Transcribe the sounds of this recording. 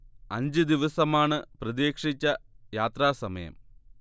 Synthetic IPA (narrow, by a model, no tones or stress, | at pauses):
ɐɲd͡ʑɨd̪iʋɐsɐmaːɳɨprɐðeːkʂit͡ɕːɐjaːt̪raːsɐmɐjɐ̰m